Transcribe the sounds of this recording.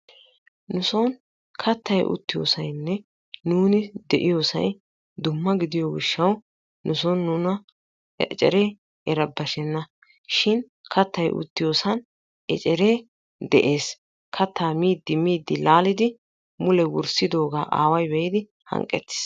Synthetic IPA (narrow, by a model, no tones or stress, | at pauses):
nʊsɔn | kʰɐt̪ːɐjʔʊ̰t̪ːɪjo̰ːsɐjnːɛ | nuːnɪd̪ɛʔɪjoːsɐ̰j | d̪ʊmːɐɡɪd̪ɪjɔɡɪʃːɐw | nʊsɔnːuːnɐ | t͡ʃʼɛ̰ɾeː | ɛɾɐbːɐʃɛnːɐ | ʃɪn | kʰɐt̪ːɐjʔʊ̰t̪ːɪjo̞ːsɐn | ɛ̰t͡ʃʼɛɾe̞ː | d̪ɛʔe̞ːs | kʰɐt̪ːaːmiːd̪ːɪmiːd̪ːɪlaːlɪd̪ɪ | mʊlɛwʊ̰ɾsɪd̪o̞ːɡa̰ːʔa̰ːwɐjbɛjɪd̪ɪ | hɐ̰ŋkʼɛt̪ːɪ̥s